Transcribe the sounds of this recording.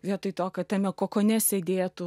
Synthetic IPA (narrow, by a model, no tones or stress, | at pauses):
ʋʲiɛt̪ɐɪt̪oːkʲɐt̪ɐmʲɛkoːkoːnʲɛsʲeːd̪ʲeːt̪ʊ